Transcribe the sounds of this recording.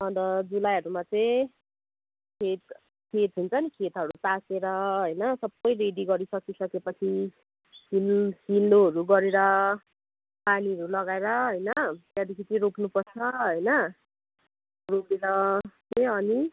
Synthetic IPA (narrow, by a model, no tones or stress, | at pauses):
ʌd̪ʌd͡zulajɦʌɾumat͡sej̃ | kʰet̪ | kʰet̪ɦunt͡sʰʌnikʰet̪ɦʌɾut̪aseɾʌɦʌjnʌsʌbʌjreɖiɡʌɾisʌkisʌkepʌt͡sʰi | hilhildoɦʌɾuɡʌɾeɾʌ | paniɦʌɾulʌɡaeɾʌɦʌjnʌʌd̪ikʰitiɾoknupʌrt͡sʰʌɦʌjnʌ | ropeɾʌteʌni